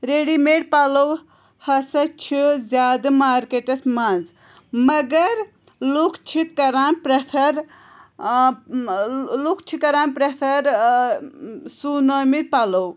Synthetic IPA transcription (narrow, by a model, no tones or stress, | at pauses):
ɾeɖimeɽpalɐw | hɐsɐt͡ʃʰizʲjaːd̪ɐmaːɾkeʈɐsmanz | mɐɡɐɾ | lukʰt͡ʃʰikɐɾaːnpɾepʰɐɾ | lukt͡ʃʰikɐɾaːnpɾepʰɐɾ | sunamipalɐw